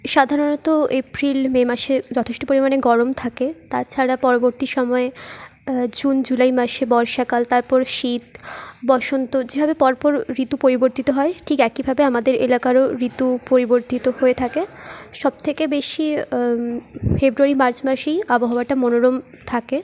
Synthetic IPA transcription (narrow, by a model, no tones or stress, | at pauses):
ʃad̪ʱaɾonɔt̪oepɾilmemaʃed͡ʑɔt̪ʰeʃʈo̥poɾimaneɡɔɾomt̪ʰaket̪at͡ɕʰaɾapɔɾoboɾt̪iʃɔmɔe | d͡ʑund͡ʑulajmaʃebɔɾʃakalt̪aɾpɔɾʃit̪bɔʃont̪od͡ʑebʱabepɔɾpɔɾɾit̪upoɾiboɾt̪it̪oɦɔeʈʰikɛkibʱabeamad̪eɾelakaɾoɾit̪upoɾiboɾt̪it̪ohoet̪ʰakeʃɔb̚t̪ʰekebeʃi | febɾuaɾimaɾt͡ɕmaʃejaboɦaaʈamonoɾom | t̪ʰake